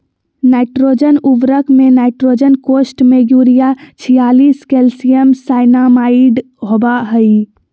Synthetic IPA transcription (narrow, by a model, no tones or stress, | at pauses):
naːɪʈɾoːd͡ʒənuʋɾəkmẽnaːɪʈɾoːd͡ʒənkoːsʈmẽɡuːɾijat͡ʃʰijaːliːskelsijəmsaːɪnamaːɪɖ | ɦobaɦəi